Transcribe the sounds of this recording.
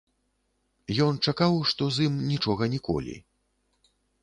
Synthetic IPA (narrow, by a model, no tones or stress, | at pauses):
jɔnt͡ʂakawʂt̪ɔzimnʲit͡ʂɔɣɐnʲikɔ̰lʲḭ